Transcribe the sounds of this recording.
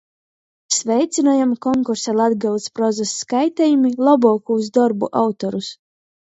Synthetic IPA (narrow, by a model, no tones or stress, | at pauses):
svʲɛjt̪sʲinajamkɔŋkuɾsalˠad̪ɡɨlˠspɾɔzasːkajt̪ɛjumilˠɔbɔːkuuzd̪ɔɾbuʔawt̪ɔɾus